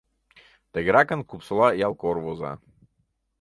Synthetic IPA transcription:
t̪ɛɡɾakankupsɔlˠajalˠkɔɾvɔza̰

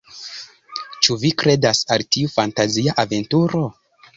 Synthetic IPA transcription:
t͡ʃuvikɾe̞dasaltiufantaziaʔave̞ntuɾo̞

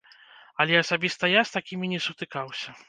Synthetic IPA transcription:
ɐlʲɛɐsabʲist̪ɐjast̪akʲimʲinʲɛsut̪ɨkawsʲɐ

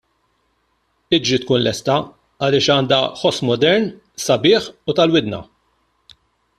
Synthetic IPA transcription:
ɪd͡ʒɾit̪kuːnlɛst̪ɐ | ɐlɪːʃɐːnd̪ɐħɔsmɔd̪ɛɾn | sɐbɪːħut̪ɐlwɪd̪nɐ̰

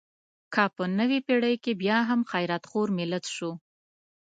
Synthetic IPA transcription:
kʰɑpənəwepeɽəjkebjɑɦamxajɾat̪xoɾmɪlat̪ʃu

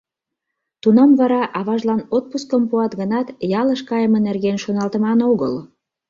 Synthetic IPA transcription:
t̪unɑmvɑɾɑʔɑβɑʒlɑnot̪̚puskəmpuɑt̪ɣənɑt̪jɑləʃkɑjəmə̆nerɣenʃonɑlt̪ə̆mɑnoɣə̰l

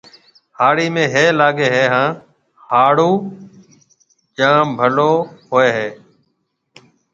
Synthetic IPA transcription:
haːɽiːmẽːɦeːlaːɠeːɦeːɦãː | haːɽuː | d͡ʒãːbʱəloːɦoːeːɦeː

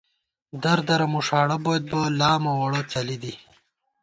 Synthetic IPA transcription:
d̪ɐɾd̪ɐɾamuʂɑːɽabojad̪̚balɑːmawɐɽət͡sɐlid̪i

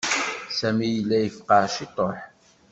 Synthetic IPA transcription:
sæmijəlːæjəfqɑʃit̪ˤoħ

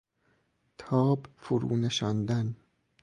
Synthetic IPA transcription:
t̪ʰɒːbfuɾṵːneʃɑnd̪æn

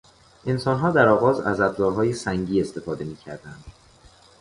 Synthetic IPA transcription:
ʔe̞nsɒːnɦɒːd̪æɾɒːɣɒːzæ̰zæd̪zɒːɾɦɒːjesæŋɟiːe̞st̪e̞fɒːd̪e̞miːcʰæ̰ɾd̪ænd̪̥

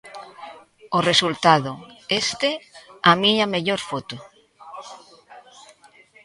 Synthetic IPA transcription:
oresult̪aðoest̪eamiɲameʎoɾfot̪ʊ

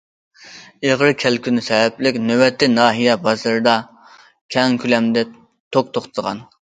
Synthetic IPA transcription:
eʁɾɨkʲʰɛlkʲʰynɪsɛɦɛplɪkʲnøwɛt̪ʰːɪnɑːɦijɛbɑzɨɾɨd̪ɑ | kʲʰɛŋkʲʰylɛmd̪ɛ | t̪ʰok̚t̪ʰoχt̪ʰʁɑ̰n

